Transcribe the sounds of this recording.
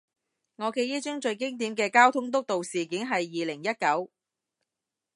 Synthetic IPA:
ŋɔː˨˧ke˧jiː˥t͡ʃɵ˥ŋt͡ʃɵ˧ɥk̬ɪ˥ŋt̪̬iː˨˥mkɛː˧kaː˥wt̪ʰʊ˥ŋt̪ʊ˥k̚t̪o˨wsiː˨kiː˨˥nɦɐ˨jːiː˨lɪ˨˩ŋjɐ˥t̚kɐ˨˥w

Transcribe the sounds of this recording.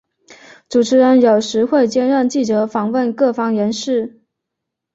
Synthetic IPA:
ʈ͡ʂu˨˩ʈ͡ʂʰɻ̩˧˥ɻə˧˥njo˨˩ʊʂɻ̩˧˥xwe˥˧ɪt͡ɕjɛ˥nɻə˥˧nt͡ɕi˥˩t͡sɤ˧˥fɑ˨˩ŋwə˥˧nkɤ˥˩fɑ˥ŋjə˧˥nʂɻ̩˥˩

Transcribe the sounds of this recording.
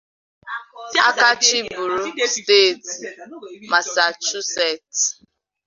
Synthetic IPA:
a̰˦ka˦t͡ʃi˦bu˨ɾu˨ste˦˨t | ma˨sa˨t͡ʃu˦sɛ˦˨t

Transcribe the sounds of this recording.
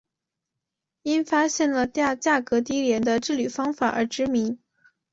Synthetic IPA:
i˥nfa˥ɕjɛ˥˩nlə˨t̪ja˥˧t͡ɕja˥˩kɤ˧˥t̪i˥ljɛ˧˥nd̪ə˧ʈ͡ʂɻ̩˥˩ly˨˩fɑ˥ŋfa̰˨˩ʔə̰˞˧˥ʈ͡ʂɻ̩˧˥mi˧˥ŋ

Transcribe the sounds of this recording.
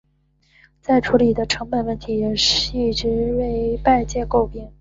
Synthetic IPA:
t͡sa˥˩ɪʈ͡ʂʰu˧˥li˨˩d̪ə˦ʈ͡ʂʰɤ˧˥ŋpə˨˩nwə˥˩nt̪ʰi˧˥jɛ˨˩ʂɻ̩˥˧˩i˥˩ʈ͡ʂɻ̩˧˥we˥˧ɪpa˥˧ɪt͡ɕjɛ˥˧ko˥˧ʊpjɛ˥˩n

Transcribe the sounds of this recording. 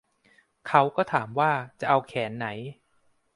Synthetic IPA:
kʰa˦˥wkɔː˥˩t̪ʰaː˩˦mwaː˥˩t͡ɕa˨˩ʔa˧wkʰɛː˩˦nːa˩˦j

